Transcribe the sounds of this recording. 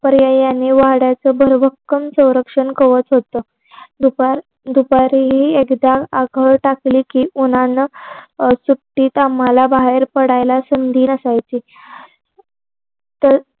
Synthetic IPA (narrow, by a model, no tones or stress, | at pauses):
pəɾjajanːiːʋaɦɽjat͡səːbʱəɾʋʱəkːəmsə̃w̃ɾəkʂəɳkəʋət͡sɦot̪əː | uɾ | d̪upaɾiɦiːekd̪aaɡʱəɭʈakliːkiːunanə | sup̚ʈiːt̪am̤alabaɦeɾpəɽajlasənd̪ʱiːnəsajt͡ɕiː | t̪ə